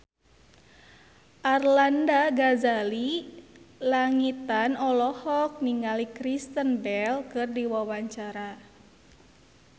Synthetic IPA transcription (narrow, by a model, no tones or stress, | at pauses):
ʔarlandaɡazali | laŋit̪anɔlɔhɔk̚niŋalikɾist̪ənbɛlkɨrdiwawaɲt͡ʃaɾa